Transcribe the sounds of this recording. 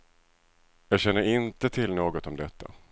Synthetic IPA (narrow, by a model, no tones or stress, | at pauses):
jɑːɡɕɛnːəɾɪnt̪ət̪ʰɪlnoːɡɔt̪ɔmd̪ɛt̪ʰːa̰